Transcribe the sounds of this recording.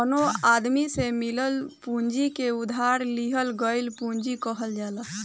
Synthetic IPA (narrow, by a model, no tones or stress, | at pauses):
ənoad̪misemiləlpuɲd͡ʒikeud̪ʱaɾliɦəlɡəjlpuɲd͡ʒikəɦəld͡ʒalə